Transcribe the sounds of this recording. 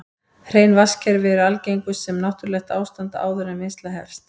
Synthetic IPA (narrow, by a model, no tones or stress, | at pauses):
hr̥eːjnvascɛɾvɛɾʏalcejŋkʏːɛmnaht̪ʏɾlɛxt̪aːwst̪ant̪aa̰ːwðʏɾamɪnst̪laɦɛ̰fst̪